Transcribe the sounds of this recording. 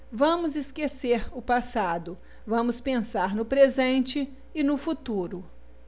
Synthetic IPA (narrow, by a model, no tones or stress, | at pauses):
vɐ̃mʊzɪskeseɾʊpasad̪ʊ | vɐ̃mʊspẽsaɾnʊpɾezẽnt͡ʃɪː | nʊfut̪uɾʊ